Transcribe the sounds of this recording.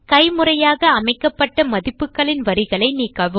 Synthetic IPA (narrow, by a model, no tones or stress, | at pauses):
kɐɪmɯrɐjaːɣɐːmɐɪkːɐpːɐʈːɐmɐðɪpːɯkːɐɭɪnʋɐɾɪɣɐɭɐɪniːkːɐʋɯm